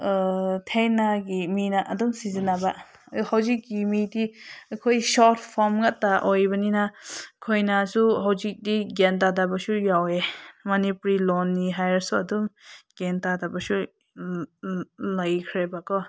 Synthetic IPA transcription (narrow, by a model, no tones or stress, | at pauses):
tʰenaɡiminaʔɐdumsizinaba | hawzik̚ɡimidikʰojsɔɾtʰpʰɔɾmŋat̚tːaʔojbaninakʰojnasuɦawzik̚diɡentadabasujawemanipuɾilɔnːiɦajɾsuadumɡ̥entadabasu | lajkʰɾebakʰɔ